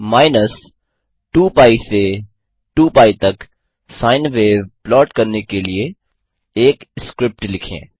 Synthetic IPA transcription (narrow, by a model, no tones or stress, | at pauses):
maːɪnəs | ʈuːpaːise | ʈuːpaːit̪ɐk | saːɪnʋeːʋplɔːʈkɐɾnekelie | eːkskɾɪp̚ʈlɪkʰḛ̃ː